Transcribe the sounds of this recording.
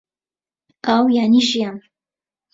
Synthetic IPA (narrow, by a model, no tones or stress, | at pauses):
awjaniʃjam